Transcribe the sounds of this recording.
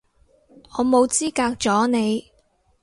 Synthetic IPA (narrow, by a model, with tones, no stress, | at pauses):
ɔː˨˧mo˨˧wt͡siː˥kaː˧k̚t͡ʃɔː˨˥ne˨˧j